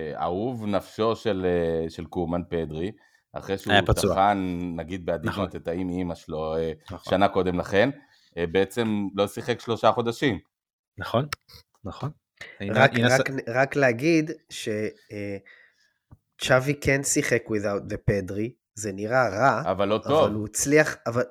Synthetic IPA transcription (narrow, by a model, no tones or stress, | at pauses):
a̰uvnafʃo̞ʃe̞leʃe̞lkumanpe̞d̪ʁi | a̰χʁejʃejuapatauanːaɡid̪̚bead̪iot̪et̪aimimaʃloenχʃanako̞d̪e̞mlaχe̞n | beet͡se̞mlo̞siχe̞kʃlo̞ʃaχo̞d̪aʃim | naχon | naχon | iʁakʁakʁakleaɡid̪ʃe̞ | t͡ʃavikʰensiχe̞kwiðawt̪̚lepe̞dʁi | zeniʁaʁaavalːo̞ʔovvalut͡sliaχaval